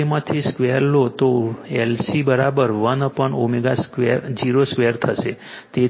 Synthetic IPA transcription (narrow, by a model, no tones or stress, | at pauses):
emãt̪ʰiskʋeəɾlot̪oelsibəɾabəɾʋənpəɳomeɡaskʋeɾd͡ʒiɾoskʋeəɾt̪ʰəʃe | t̪e